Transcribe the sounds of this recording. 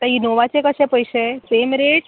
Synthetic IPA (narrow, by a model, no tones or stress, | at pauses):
t̪aɦinoʋat͡ɕekəɕẽpəjɕesemɾeɽ